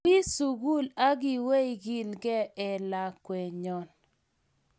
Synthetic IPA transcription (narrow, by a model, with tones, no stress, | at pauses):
i˦su˨ɡu˦la˦ɡɪ˨we˦i˨ɡi˦lɡɛ˦ɛ˨la˨kwɛ˨ɲɔ˨n